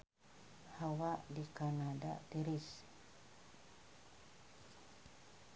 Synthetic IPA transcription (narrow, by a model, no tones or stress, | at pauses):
hawaʔdikanadat̪iɾis